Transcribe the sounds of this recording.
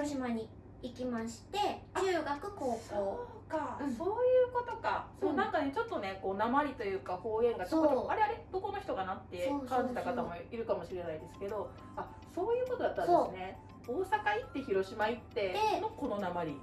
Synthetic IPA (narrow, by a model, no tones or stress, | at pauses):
ioɕimaɲ̟i | ikʲimaɕi̥t̪e̞aɯːɡakɯ̟ko̞ːkoː | kaso̞ːjɯ̟ːko̞t̪o̞kasonãŋkane̞t͡ɕo̞t̪ːo̞ne̞ko̞ːnamaɾʲit̪o̞jɯ̟ːkaho̞ːẽ̞ŋɡatookoaɾeaɾed̪o̞ko̞no̞çi̥t̪o̞ɡanat̪ːeokãɲd͡ʑit̪akat̪amo̞iɾɯ̟kamo̞ɕiɾe̞naid̪e̞sɨ̥ke̞d̪o̞ | a | so̞ːjɯ̟ːkot̪o̞d̪at̪ːanɨne̞ | oːsakait̪ːe̞çiɾo̞ɕimait̪ːe̞eno̞ko̞no̞namaɾʲi